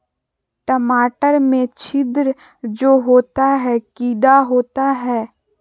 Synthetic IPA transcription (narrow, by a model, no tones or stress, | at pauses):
ʈəmaːʈəɾmẽt͡ʃʰɪd̪ɾ | d͡ʒoːɦoːt̪aɦɛkiːd̪aɦoːt̪aɦɛː